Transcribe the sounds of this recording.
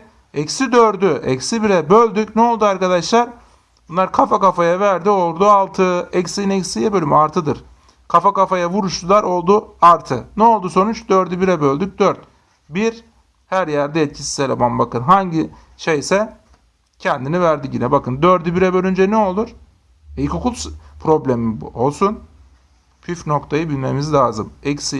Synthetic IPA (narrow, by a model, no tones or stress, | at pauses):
ɛcsid̪øɾd̪yɛ̰csibiɾɛbø̞lʲd̪ycnɛo̞lˠd̪uaɾkad̪aʃlˠaɾ | bunlˠaɾkʰafakafajavæɾd̪io̞lˠɾd̪ualˠt̪ʰɯɛcsiinɛcsijɛbølʲymaɾt̪ʰɯd̪ɯɾ | kʰafakafajavuɾuʃt̪ulˠaɾo̞lˠd̪uaɾt̪ʰɯnɛo̞lˠd̪uso̞nut͡ʃd̪øɾd̪ybiɾɛbø̞lʲd̪yc̚d̪øɾt̪ | biɾ | hæɾjæɾd̪ɛɛt̪cʰi̥si̥selʲebanbakɯnɦaɲɟi | ʃe̞jsɛ | cʰɛnd̪inivæɾd̪iɟinɛbakɯnd̪øɾd̪ybiɾɛbø̞lʲynd͡ʒɛnɛo̞lˠuɾ̥ | ɛkʰo̞kʰulˠspʰɾo̞blʲemibo̞lˠsun | pʰyfno̞kt̪ʰajɯbilʲme̞mizlʲaːzɯmɛcsi